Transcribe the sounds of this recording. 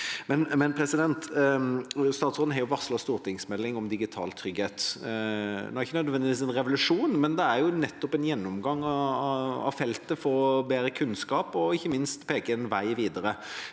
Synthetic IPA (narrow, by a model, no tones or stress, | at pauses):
mɛnmɛnpʰɾɛsɪd̪ɛnt̪ | st̪ɑːt̪sʁoːd̪n̩hɑɾjʊʋɑʁslɑst̪uːɾt̪ʰɪŋsmɛlːɪŋɔmd̪ɪɡɪt̪ʰɑ̰ːlt̪ʰɾʏɡheːt̪ | ɔːœʁɪçːənœd̪ʋɛnd̪ɪʋiːsɛnɾɛʋʊlʉʂuːnmɛnd̪ɛæɾjʊnɛt̪ːɔpɛnjɛnːɔmɡɑŋːɑ | ɑ̰fɛlt̪əfɔːbeːɾəkʰʉnskɑːpɔɪçːəmɪnst̪pʰeːkəɛnʋæɪʋiːd̪əɾə